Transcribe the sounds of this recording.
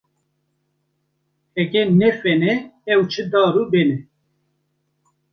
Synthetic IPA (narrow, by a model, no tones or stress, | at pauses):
hɛkɛnɛfɛnɛɛwt͡ʃʰɨd̪ɑːɾuːbenɛ